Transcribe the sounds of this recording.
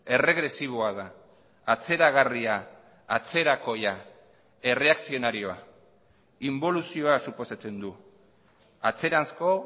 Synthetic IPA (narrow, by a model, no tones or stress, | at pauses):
e̞re̞ɣɾe̞siβ̞o̞aðaː | t͡se̞ɾaɣ̞ariaː | t͡se̞ɾako̞ja | e̞re̞aksio̞naɾio̞a | imbo̞lusio̞asupo̞sat͡se̞nd̪u | at͡se̞ɾansko̞